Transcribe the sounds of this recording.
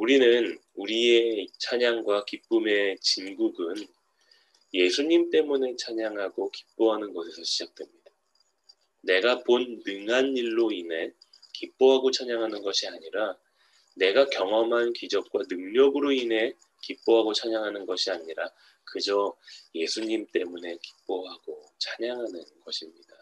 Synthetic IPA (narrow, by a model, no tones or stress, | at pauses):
uɾinɯnuɾiet͡ɕʰaɲaŋɡwakip͈ume̞t͡ɕinɡuɡɯn | je̞sʰuɲimt͈e̞mune̞t͡ɕʰaɲaŋɦaɡoki̥p͈oɦanɯnɡʌsʰesʰʌɕʰid͡ʑak̚t͈we̞mɲidḁ | ne̞ɡaponːɯŋɦaniɭːoinɦe̞ | kip͈oɦaɡot͡ɕʰaɲaŋɦanɯnɡʌɕʰiaɲiɾa | ne̞ɡakjʌŋʌmɦankid͡ʑʌp̚k͈wanɯŋɲʌɡɯɾoinɦe̞ | kip͈oɦaɡot͡ɕʰaɲaŋɦanɯnɡʌɕʰiaɲiɾa | kɯd͡ʑʌje̞sʰuɲimt͈e̞mune̞ki̥p͈̚oɦaɡot͡ɕʰaɲaŋɦanɯnɡʌɕʰimɲida